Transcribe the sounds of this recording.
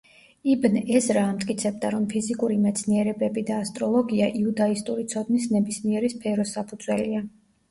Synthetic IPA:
ibnɛsɾaːmt̪ʼkʼit̪sʰɛb̚d̪aɾɔmpʰizikʼuɾimɛt̪sʰniɛɾɛbɛbid̪aːst̪ʼɾɔlˠɔɡiaʔiud̪aist̪ʼuɾit̪sʰɔd̪nisnɛbismiɛɾispʰɛɾɔsapʰud̪zwɛlia

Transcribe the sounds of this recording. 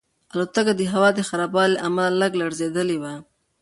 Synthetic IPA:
alot̪akad̪əɦawɑd̪əxaɾɑbɑleʔamalːaɡlaɽzed̪əlewa

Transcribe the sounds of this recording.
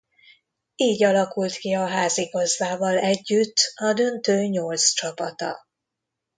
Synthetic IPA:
iːɟɒlɒkult̪kiɒɦaːziɡɒzvaːvɒlɛɟːyt̪ːɒd̪ø̞nt̪øːɲolst͡ʃɒpɒt̪ɒ̰

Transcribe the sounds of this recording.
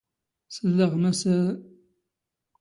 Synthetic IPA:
səlːəʁmæsæ

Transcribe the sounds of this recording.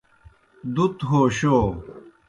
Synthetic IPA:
d̪ut̪ɦoːɕoː

